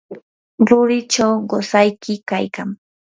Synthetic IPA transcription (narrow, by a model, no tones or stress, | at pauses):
ɾʊɾɪt͡ʃawɢosajkɪkajka̰ŋ